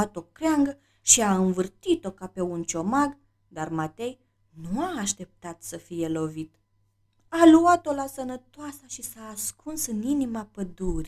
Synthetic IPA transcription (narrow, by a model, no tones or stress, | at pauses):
at̪o̞kɾeaŋɡə | ʃiaɨnvɨrt̪it̪o̞kape̞unt͡ʃo̞maɡ | d̪armat̪e̞j | nuaːʃt̪e̞p̚t̪at̪səfije̞lo̞vit̪ | aluat̪olasənət̪oasaʃisaːskʰunsɨninimapəd̪uɾi